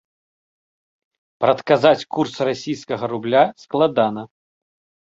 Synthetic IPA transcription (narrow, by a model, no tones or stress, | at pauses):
pɾɐt̪kazat͡sʲkursrasʲijskɐɣɐɾublʲasklˠad̪anɐ